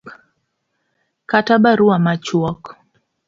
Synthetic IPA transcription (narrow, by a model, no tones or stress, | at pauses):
katabaɾuamat͡ʃwɔk